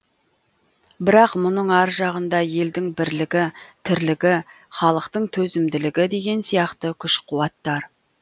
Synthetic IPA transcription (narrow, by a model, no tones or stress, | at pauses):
bɪɾɑqmʊnəɴɑɾʒɑʁənd̪ɑje̞ld̪ɪŋbɪɾlɪɡʲɪt̪ʰɪɾlɪɡʲɪ | χɑlˠəqt̪əɴt̪ʰɵzɪmd̪ɪlɪɡʲɪd̪e̞ɡʲe̞nsijɑqt̪əkʲʰʏʃqʰʊwɑt̪ːɑɾ